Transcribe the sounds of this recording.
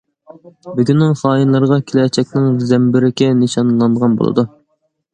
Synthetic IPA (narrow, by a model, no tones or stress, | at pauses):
byɡʲynːɪŋχɑːjɨnlˠɨɾəʁɑkʲʰilɛt͡ʃʰɛk̚ʲnɪŋzɛmbɪɾɪkʲɛnɨʃɑnlˠɑnd̪əʁɑnbo̰lˠɨ̰d̪u